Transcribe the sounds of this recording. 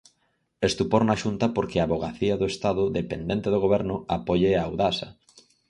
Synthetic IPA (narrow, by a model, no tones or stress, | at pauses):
est̪upoɾnaʃunt̪ɐpoɾkɪaβoɣaθiɐðoest̪aðʊðepend̪ent̪eðoɣoβɛɾnʊapoʎeawðasɐ̰